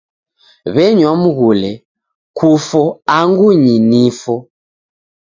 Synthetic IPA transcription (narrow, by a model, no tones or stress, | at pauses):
βɛɲwamuɣulɛ | kʰufɔaŋɡuɲinifɔ